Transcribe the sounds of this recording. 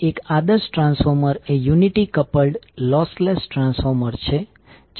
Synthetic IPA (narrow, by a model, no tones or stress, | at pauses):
ekad̪əsʈɾãnsfɔɾməɾejuniʈikəpəlɖlɔslesʈɾãnsfɔɾməɾt͡ʃʰe | d͡ʒ